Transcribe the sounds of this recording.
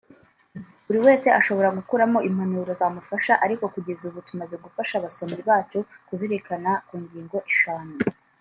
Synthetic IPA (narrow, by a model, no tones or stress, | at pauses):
uɾiwe̞ːse̞aʃo̞βo̞ɾaɡukuɾamo̞ʔim̥hanuːɾozaːmufaʃaʔaɾiko̞kuɟe̞zuβutumaze̞ɡufaʃaβaso̞mɡiβaːt͡ʃukuziɾekanakuːɲɟiːŋɡo̞ʔiʃaːnu